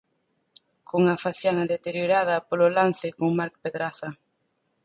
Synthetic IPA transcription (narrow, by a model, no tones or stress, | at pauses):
koŋafaθjanɐðet̪eɾjoɾaðɐpololan̟θɪkoŋmaɾkpeðɾaθɐ